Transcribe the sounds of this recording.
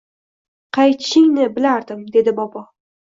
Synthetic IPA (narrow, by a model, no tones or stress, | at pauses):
qʰɑjt̪ʰʃɪŋnɪbɪlaɾd̪ɪmd̪e̞d̪ɪbɒpʰɒ